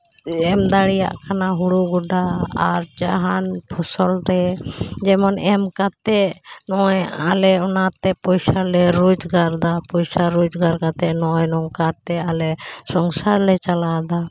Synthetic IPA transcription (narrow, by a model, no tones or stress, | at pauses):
ɛmd̪aɽija̰ʔkʰanaɦuɽuɡuɖaa̰ɾt͡ʃaɦanpʰɔsɔlɾɛd͡ʒɛmɔnɛmkat̪ɛnɔja̰lɛɔnat̪ɛpɔjsalɛɾud͡ʒɡaɾd̪apɔjsaɾud͡ʒɡaɾkat̪ɛnɔjnɔŋkaɾt̪ɛalɛsɔŋsaɾlɛt͡ʃalad̪a